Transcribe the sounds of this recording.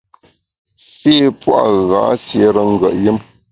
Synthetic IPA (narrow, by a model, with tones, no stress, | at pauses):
fe˦˨pwa̰˦˨ɣa̰ː˨˦sje˨˦ɾə˦ŋ̩˦˨ɡə˨ʔji˦m